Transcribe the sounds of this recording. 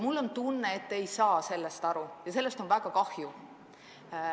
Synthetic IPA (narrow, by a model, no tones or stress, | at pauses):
mulːo̞nt̪unːeːt̪ːe̞jsɑːse̞lːest̪ɑɾujɑse̞lːe̞st̪o̞nvæɡ̥ɑkɑhju